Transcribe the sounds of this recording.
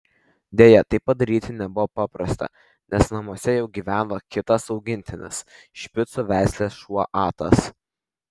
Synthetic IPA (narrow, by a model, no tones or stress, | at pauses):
d̪ʲejɛt̪ɐɪpːɐd̪ɐɾʲiːt̪ʲɪnʲɛbʊʋoːpɑːpɾɐst̪ɐ̰ | nʲɛsnɐmuɔsʲɛjɛʊɡʲiːʋʲæːnʋoːkʲɪt̪ɐsɒʊɡʲɪnʲt̪ʲɪnʲɪ̰s | ʃʲpʲɪt̪sʊʋʲæˑɪsʲlʲeːsʃuɔʔɑːt̪ɐ̰s